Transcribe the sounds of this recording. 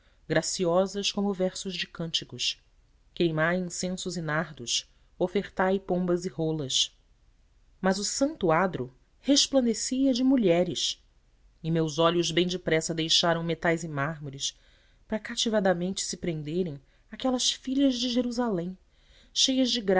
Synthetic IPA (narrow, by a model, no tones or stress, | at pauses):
ɡɾasiɔzɐʃkõmʊvɛɾsʊʒd͡ʒɪkɐ̃nt͡ʃikʊʃ | kejmãĩsẽsʊzɪnaɾd̪ʊs | ofeɾt̪ajpõbɐziholɐʃ | mɐzʊsɐ̃nt̪ʊad̪ɾʊ | heʃplɐ̃nd̪esiɐd͡ʒɪmuʎɛɾɪʃ | ɪmewzɔʎʊzbẽj̃d͡ʒɪpɾɛsɐd̪ejʃaɾɐ̃w̃met̪ajzɪmaɦmoɾɪs | pɾɐkat͡ʃivad̪ɐmẽnt͡ʃɪ̥sɪpɾẽnd̪eɾẽj̃ | akɛlɐʃfiʎɐzd͡ʒɪʒeɾuzalẽj̃ | ʃejɐʒd͡ʒɪɡɾ